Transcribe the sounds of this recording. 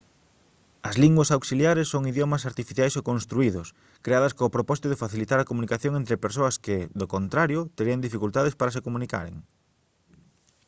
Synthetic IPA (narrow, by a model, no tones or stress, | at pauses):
ɐzliŋɡwɐsawksiljaɾesːoŋiðjomɐsaɾt̪ifiθjajsokõnst̪ɾuiðʊs | kɾeaðɐskõːpɾopɔsi̥t̪ʊðɪfaθilit̪aɾɐkomunikaθjoŋent̪ɾɪpeɾsoɐskɪðokont̪ɾaɾjʊt̪eɾiɐŋd̪ifikult̪aðespaɾɐsekomũnika̰ɾḛŋ